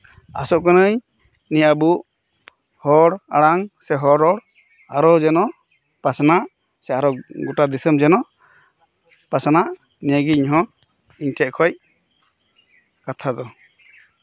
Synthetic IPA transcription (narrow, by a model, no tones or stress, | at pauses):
a̰sɔʔkɔnəj | niabuʔ | hɔɽaɽaŋsɛɦɔɾɔɽ | aɾɔd͡ʒɛnɔʔ | pasanaʔ | sɛaɾɔɡɔʈad̪isəmd͡ʒɛnɔʔ | pasanaʔ | niəɡiiɲɦɔ̃ | iɲtʰɛʔkʰɔj | kat̪ʰad̪ɔ